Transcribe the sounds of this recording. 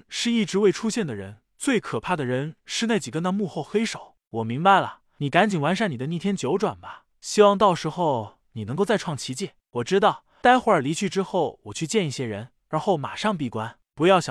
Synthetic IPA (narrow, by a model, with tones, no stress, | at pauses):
ʂɻ̩˥˧i˥˩ʈ͡ʂɻ̩˧˥we˥˩ɪʈ͡ʂʰu˥ɕjɛ˥˩nd̪ə˩ɻə̰˧˥n | t͡swe˥˩ɪkʰɤ˨˩pʰa˥˩d̪ə˩ɻə˧˥nʂɻ̩˥˧na˥˩ɪt͡ɕi˨˩kə˥nt̪ʰa˥mu˥˧xo˥˩ʊxe˥ɪʂo˨˩˦ʊ | wɔ˨˩mi˧˥ŋba˧ɪlə̰˩ | ni˨˩ka˧˥nt͡ɕi˨˩ŋwa˧˥nʂa˥˩ni˨˩d̪ə˦ni˥˩t̪ʰjɛ˥nt͡ɕjo˧˥ʊʈ͡ʂwa̰˨˩nbɐ˦ | ɕi˥wɑ˥˧ŋt̪ɑ˥˩ʊʂɻ̩˧˥xo˥˩ʊ | ni˨˩nɤ˧˥ŋko˥˧ʊt͡sa˥˧ʈ͡ʂʰwɑ˥˩ŋt͡ɕʰi˧˥t͡ɕjɛ˥˩ | wɔ˨˩ʈ͡ʂɻ̩˥t̪ɑ˥˩ʊ | t̪a˥ɪxwɔ˧˥ə˞˨˩li˧˥t͡ɕʰy˥˧ʈ͡ʂɻ̩˥xo˥˩ʊwɔ˨˩t͡ɕʰy˥˧t͡ɕjɛ˥˧ni˥˩ɕjɛ˥ɻə˧˥n | ɻa˧˥nxo˥˩ʊma̰˨˩ʂɑ˥˧ŋpi˥˩kwa˥n | pu˧˥jɑ˥˩ʊɕjɑ˨˩